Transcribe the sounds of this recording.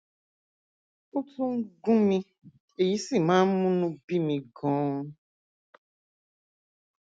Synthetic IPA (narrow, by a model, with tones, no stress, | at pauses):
u˦tũ˦ŋ̩˦ɡũ˦mĩ˧ | e˨ji˨˦si˦˨mãː˦mũ˦nũ˧bi˦mĩ˧ɡɔ̃ː˨˦